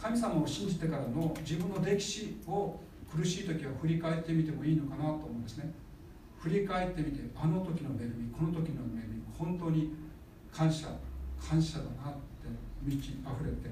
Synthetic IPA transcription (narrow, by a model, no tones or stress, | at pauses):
kamʲisamaoɕĩɲ̟d͡ʑit̪e̞kaɾano̞d͡ʑibɯ̟̃nːo̞ɾe̞kʲi̥ɕio̞ | kɯ̟ɾɯ̟ɕiːt̪okʲiβaɸɯ̟ɾʲikae̞t̪ːe̞mʲit̪e̞mo̞iːno̞kanat̪o̞ːmõːnesɨne | ɸɯ̟ɾʲikae̞t̪ːe̞mʲit̪e̞ano̞t̪okʲino̞me̞ɾɯ̟mʲiko̞no̞t̪o̞kʲino̞me̞ɾɯmʲiohõnt̪o̞ːɲ̟i | kʰãɰ̃ɕa̰kʰãɰ̃ɕad̪aɡat̪ːe̞mʲit͡ɕiaɸɯ̟ɾe̞t̪ːe̞